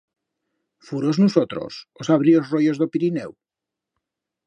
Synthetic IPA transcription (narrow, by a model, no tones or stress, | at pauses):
fuɾoznusot̪ɾo̰sosaβɾiozrojozðopiɾinɛw